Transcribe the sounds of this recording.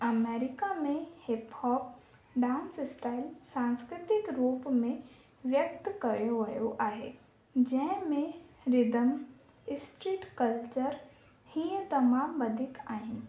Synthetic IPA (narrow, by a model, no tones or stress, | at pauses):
ɐmeːɾɪkamẽhɪphɔːp̚ | ɖãːnsɪsʈaːɪlsãːnskɾɪt̪ɪkɾuːpmẽ | ʋjək̚t̪kɐjoʋɐjoʔaːɦḛ | d͡ʑɐ̃ɦɪ̃mẽɾɪd̪əm | ɪsʈɾiːʈkɐlt͡ʃəɾ | hiə̃t̪ɐmaːmbɐd̪ʱɪkaːɦɪnɪ̆